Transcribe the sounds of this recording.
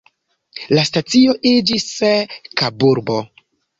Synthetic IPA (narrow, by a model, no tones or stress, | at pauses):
lastat͡sio̞ʔid͡ʒiskabuɾbo̞